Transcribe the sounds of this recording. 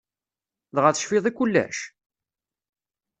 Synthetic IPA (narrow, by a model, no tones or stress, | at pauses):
ðʁaθə̥ʃfɪðˤikʷːʊlːæ̰ʃ